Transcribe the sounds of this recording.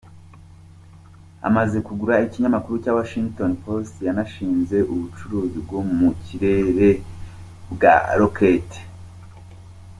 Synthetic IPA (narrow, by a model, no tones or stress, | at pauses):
a̰maze̞kuɡuɾaiciɲamakuɾucaːwaʃiŋɡto̞npo̞stjanaʃiːnze̞ʔuβut͡ʃuɾuːzibɡo̞muciɾe̞ɾe̞ | bɡa̰ɾokʰete̥